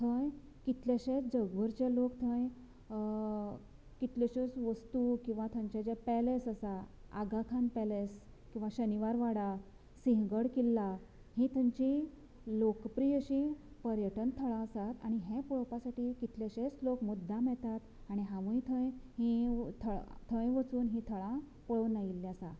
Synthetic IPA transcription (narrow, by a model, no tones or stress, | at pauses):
t̪ʰəj | kit̪leɕẽt͡sd͡zəɡʋəɾt͡ɕelokt̪ʰə̃j | kit̪leɕət͡sʋəst̪ukĩw̃ʋat̪ʰə̃ɲt͡ɕat͡ɕepɛlesəsaa̰ɡakʰanpɛles | kĩw̃ʋaɕəniʋaɾʋaɽa | sĩɦɡəɽkilːa | hĩːt̪ʰə̃ɲt͡ɕĩ | lokpɾijəɕipəɾjəʈənt̪ʰəɭãəsat̪aɽ̃iɦẽpɔɭəpasaʈiːkit̪leɕet͡slokmud̪ʱːamɛɭt̪at̪aɽ̃iɦãʋũjt̪ʰə̃jɦĩt̪ʰəɭt̪ʰə̃jʋət͡suːnɦĩt̪ʰəɭã | pɔɭəʋnajilːjasa